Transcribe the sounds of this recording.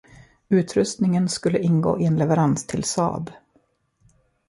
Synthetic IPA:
ʉ̟ːt̪ʰɾɵst̪nɪŋənskɵlːəʔɪnɡo̰ːʔɪɛnlɛvəɾanst̪ʰɪlsɑ̰ːb

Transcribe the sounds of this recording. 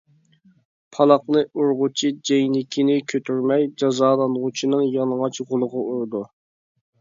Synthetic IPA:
pʰɑlˠɑqnɨʔuɾʁʊt͡ʃʰid͡ʒejnɪkʲʰinɪkʲʰøt̪ʰyɾmɛjd͡ʒɑzɑːlˠɑnʁʊt͡ʃʰinɨŋjɑlˠŋɑt͡ʃʁʊlˠəʁɑuɾd̪u

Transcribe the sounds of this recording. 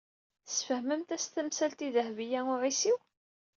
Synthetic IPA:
θsfəhməmt̪æst̪əmsælt̪iðəhvijæʊʕisiw

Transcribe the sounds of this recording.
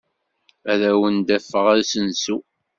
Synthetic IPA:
æðæwənd̪æfːəʁæɾsənsu

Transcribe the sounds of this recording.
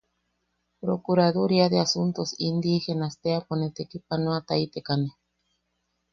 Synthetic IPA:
pɾokuɾaðuɾiad̪easunt̪osind̪ixenast̪eaponet̪ekipanoat̪ajt̪ekane

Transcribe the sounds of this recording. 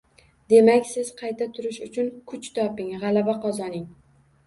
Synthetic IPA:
d̪e̞makʲsɪzqʰɑjt̪ʰat̪ʰʊɾɪʃʊt͡ʃʰʊnkʰʊt͡ʃt̪ʰɒpɪŋʁɑlabaqʰɒzɒnɪŋ

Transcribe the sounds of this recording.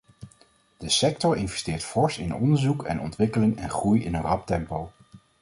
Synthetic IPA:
d̥əsɛk̚tɔɹɪnvɛstɪːɹtfɔɹsɪnɔ̰ndəɹzukɛ̰nɔ̰ntʋɪkəlɪŋɛ̰nχrujɪ̰nənrɑp̚tɛmpow

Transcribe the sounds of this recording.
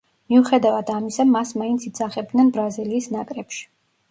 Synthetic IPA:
miuχɛd̪avad̪amisamasmaint̪sʰid̪zaχɛb̚d̪nɛnbɾaziliːsnakʼɾɛpʃi̥

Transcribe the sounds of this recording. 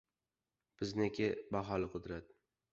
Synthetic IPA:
b̥ɪznekʲʰɪbaɦɒlɪqʰʊd̪ɾat̪

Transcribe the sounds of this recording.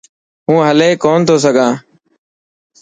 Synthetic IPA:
ɦũːɦəleːkoːnt̪ʰoːs̬əɡʱãː

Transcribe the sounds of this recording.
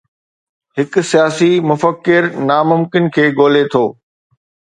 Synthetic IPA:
hɪksijaːsimʊfəkːɪɾnaːmʊmkɪnkʰeːɡoːlet̪ʰoː

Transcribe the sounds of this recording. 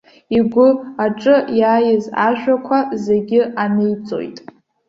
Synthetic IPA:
iɡʷʊaʈ͡ʂʼɨjaːjɪza̰ʒᶣakʷʰaze̞ɡʲɪanɨjt͡sʼo̞̰jtʼ

